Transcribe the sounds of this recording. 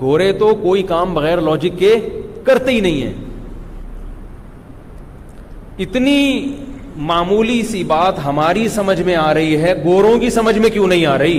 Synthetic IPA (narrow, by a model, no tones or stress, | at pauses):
ɡʱoːɾet̪okoːikaːmbɐɣɛːɾlɔːd͡ʒɪkːekɐɾt̪eɦinɐɦĩɦɛ̰ː | ɪt̪ni | maːmuːlisibaːt̪ɦɐmaːɾisɐməd͡ʒʱmẽaːɾɐɦiɦɛɡoːɾõkisɐməd͡ʒʱmẽkjõːnɐɦĩaːɾɐɦiː